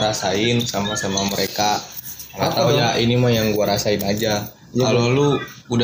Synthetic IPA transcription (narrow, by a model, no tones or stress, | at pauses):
ɾasaɪnsamasamaməɾekaaŋat̪aujaʔinimajaŋɡuaɾasaɪnad͡ʒa | aloluuda